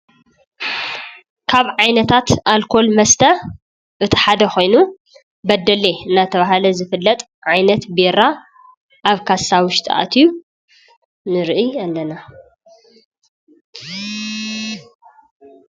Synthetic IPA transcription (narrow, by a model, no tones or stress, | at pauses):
kʰaβʕajnɐt̪ʰat̪alkʰo̞lmɐst̪ʰɐ | ʔɨt̪ʰi̥ħad̪ɐxo̞jnu | bɐd̪ːɐleɨnːat̪ʰɐβaɦalɐzɨfɨlːɐt̪ʼ | ʕajnɐt̪beɾa | ʔaβkʰasːawʊʃt̪ʼʰʔa̰t̪ʰiju | nɨɾʔialːɐna